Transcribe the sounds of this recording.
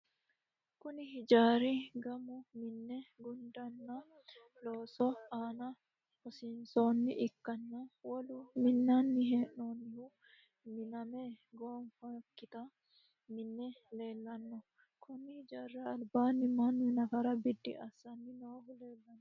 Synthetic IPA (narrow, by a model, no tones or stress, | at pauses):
kʊnɪhɪd͡ʒaːɾiɡɐmʊmɪnːɛɡʊnd̪ɐnːɐ | loːsɔaːnɐ | kɔsɪnsoːnːɪ̰ʔɪkːɐnːawɐlʊmɪnːanːɪhɛːʔnoːnːɪhu | mɪnɐmeːɡoːnfɐkːɪt̪ɐ | mɪnːɛleːlːɐnːɔ | kʰʊnɪhɪd͡ʒaːrːɐɐlbaːnːɪmanːʊnɐkɐɾɐbɪd̪ːɪ̰ʔɐsːɐnːɪnoːhʊleːlːɐnː